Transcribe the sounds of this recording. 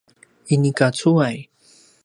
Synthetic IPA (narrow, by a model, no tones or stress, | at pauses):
inikat͡suaj